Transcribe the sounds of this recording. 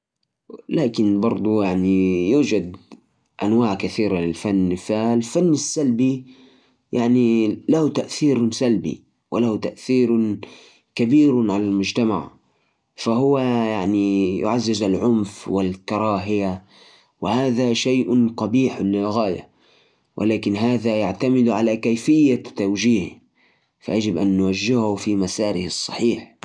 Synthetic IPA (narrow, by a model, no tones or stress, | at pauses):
laːkɪnbɑɾˤd̪ˤujaʕnijuːd͡ʒad̪ | ʔanwaːʕkaθiːɾalɪlfanːfalfanːasːalbi | jaʕnilahut̪aʔθiːɾsalbḭ | wɪlaht̪aʔθiːɾ | kabiːɾʕalalmʊd͡ʒt̪ama̰ʕ | fahʊwajaʕnijʊ̰ʕazːɪzalʕʊmfwɪlkɑɾˤɑːɦɪja | wɪhaːðaʃajʔq̪ɑbiːħlɪlɣaːja̰ | wʔɪ̰laːkɪnɦaːðajaʕt̪amɪd̪ʕalakajfɪjːat̪ːawd͡ʒiːh | fa̰jad͡ʒɪbʔanːwaʒːɪhʊfimasaːɾɪhɪsˤːɑ̰ħiːħ